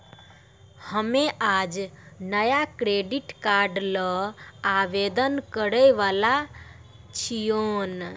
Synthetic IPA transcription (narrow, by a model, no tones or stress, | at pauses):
həmeʔad͡ʒnəjakɾeɖiʈkaɾɖləaʋed̪ənkəɾəjʋala | t͡ʃʰijon